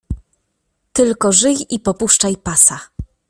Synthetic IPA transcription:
t̪ɘlkɔʐɘjipɔpuʂt͡ʂajpasa

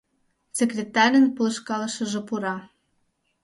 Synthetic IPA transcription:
sekrʲet̪ɑɾʲənpələ̆ʃkɑləʃə̆ʒĕpuɾɑ

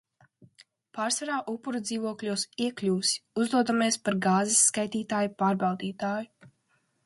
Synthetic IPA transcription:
paːɾsvaɾaːʔupːuɾud̪ziːvuɔklʲuɔsiɛklʲuːsi̥uzd̪uɔd̪ameɛspaɾɡaːzisːkajt̪iːt̪aːjupaːɾbawd̪iːt̪aːju

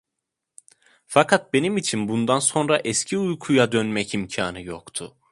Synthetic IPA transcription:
fakʰat̪̚be̞nimit͡ʃʰinbund̪anso̞nɾaʔɛscʰiujkʰujad̪ønmɛcimcʰa̰ːnɯjokt̪ʰʊ

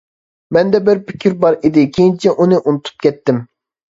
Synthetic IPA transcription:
mɛnd̪ɛbɪɾpʰɪ̥kʲʰiɾbɑɾid̪ɪkʲʰejint͡ʃʰɛʔunɨʔunut̪ʰu̥p̚kʲʰɛt̪ːɪm

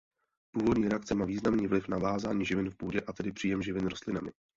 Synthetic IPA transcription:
puːvo̞dɲiːɾɛak̚t͡sɛmaːviːznamniːvlɪfnavaːzaːɲiːʒɪvɪnfpuːɟɛʔat̪ɛdɪpr̝̥iːjɛmʒɪvɪnɾost̪lɪnamɪ

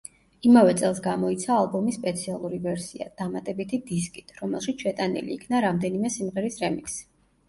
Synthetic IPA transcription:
imavɛt̪sʼɛlˠsɡamɔit̪sʰaːlˠbɔmisːpʼɛt̪sʰialˠuɾivɛɾsia̰d̪̥amat̪ʼɛbit̪ʰid̪iskʼi̥t̪ʰɾɔmɛlˠʃit̪sʃʰɛt̪ʼanḭlḭːkʰnaɾamd̪ɛnimɛsimʁɛɾisɾɛmiks

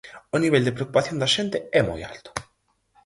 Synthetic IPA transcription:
oniβeld̪epɾeokupaθjond̪aʃent̪eɛmo̰ja̰lt̪o̥

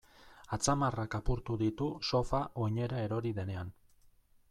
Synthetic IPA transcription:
at͡samarakapuɾt̪uðit̪uso̞faʔo̞ɲe̞ɾae̞ɾo̞ɾiðe̞ne̞an

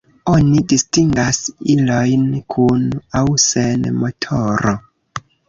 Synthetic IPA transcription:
onidistiŋɡasilojnkʰunawsenmo̞tʰoɾo

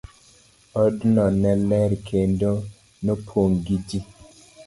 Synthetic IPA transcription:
ɔdnɔnɛlɛɾkʰendo | nopʰoŋɡid͡ʒi

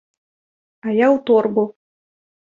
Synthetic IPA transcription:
ajawt̪ɔrbu

